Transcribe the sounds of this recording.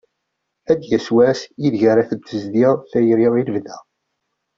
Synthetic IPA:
æd̪jæswæsjiðʝaɾæθəd̪ːəzd̪iʁθæjɾiʁilvðæ

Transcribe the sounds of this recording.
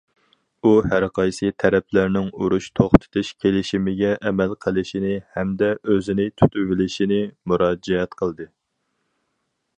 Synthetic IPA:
uhæɾqʰɑjsɨt̪ʰɛɾɛp̚ʰlæɾnɪŋuɾuʃt̪ʰoχt̪ʰɨ̥t̪ʰuʃkʲʰelɪʃimɪɡʲɛʔɛmɛlqʰəlˠɪʃinɪhɛmd̪ɛʔøzɪnɪt̪ʰy̥t̪yvɪlɪʃinɪmuɾɑːd͡ʒɛɛt̪qʰəlˠd̪ɨ

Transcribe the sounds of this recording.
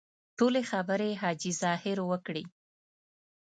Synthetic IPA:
ʈolexabəɾeɦɑd͡ʒizɑhɪɾwəkɽi

